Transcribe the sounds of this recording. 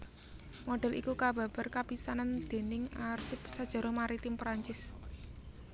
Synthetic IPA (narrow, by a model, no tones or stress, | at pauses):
mɔɖ̥ɛ̤lʔḭkukab̥a̤b̥a̤rkapisanand̪̥e̤nɪŋarsɪpsad̥ʒ̥a̤ɾomaɾit̪ɪmpɾaɲt͡ʃɪs